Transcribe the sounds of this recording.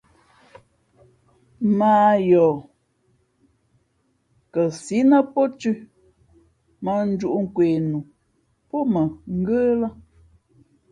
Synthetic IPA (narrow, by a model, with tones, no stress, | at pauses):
maː˦jɔː˨ | kə˨si˨˦nə˦pɔ˦tʉ˦ | mə˨n̩˦d͡ʒu˦ʔu˦ŋ̩˦˨kweː˨nu˨ | pɔ˦mə˨ŋ̩˦ɡə˦la˦